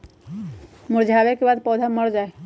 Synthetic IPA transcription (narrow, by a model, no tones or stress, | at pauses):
mʊɾd͡ʒʱaːʋekebaːd̪pɔːd̪ʱaməɽd͡ʒaːe